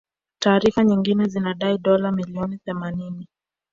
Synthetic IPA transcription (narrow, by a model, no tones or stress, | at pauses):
taːɾifaɲiŋɡinɛzinaɗaiɗɔlamiliɔniθɛmanini